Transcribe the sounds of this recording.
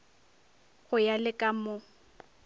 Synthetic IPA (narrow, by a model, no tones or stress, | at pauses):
ɣʊjalɪkʼamʊ